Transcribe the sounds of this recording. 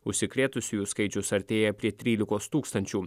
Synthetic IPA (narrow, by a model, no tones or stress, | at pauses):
ʊʃʲsʲɪkɾʲeːt̪ʊsʲʊjuːskɐɪt͡ʃʲʊsɐɾʲt̪ʲeːjɛpʲɾʲiɛt̪ʲɾʲiːlʲɪkoːst̪uːkst̪ɐnʲt͡ʃʲuː